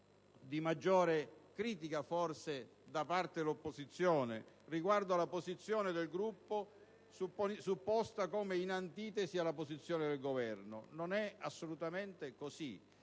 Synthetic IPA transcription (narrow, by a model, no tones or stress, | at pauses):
d̪imad͡ʒːɔːɾekɾiːt̪ikafɔrse | d̪apart̪edelopːozit̪sːjɔːnɪ̰ | riɡward̪oalapozit̪sːjɔːnɪd̪elɡɾupːo | supsupːɔst̪akoːmeinant̪iːt̪ɛsialːapozit̪sːjɔːnɪd̪elɡovɛrnʊ̰nonɛasːolut̪ament̪ekosi